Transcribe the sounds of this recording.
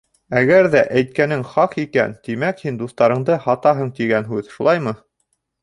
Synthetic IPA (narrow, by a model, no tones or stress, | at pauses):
æɡæɾðæʔæjt̪̚kænɘŋχɑqikæ̰nt̪imækhind̪uθt̪ɑɾɤ̆ɴd̪ɤhɑt̪ɑɦɤɴt̪iɡænɦʉðʃulˠɑjmɤ